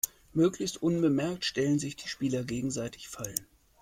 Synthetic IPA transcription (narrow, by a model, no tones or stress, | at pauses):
møːklɪçstʔʊnbəmɛɐk̚tʃtɛlənzɪçd̥iːʃpiːlɐɡeːɡŋ̩zaɪtʰɪ̥çfalən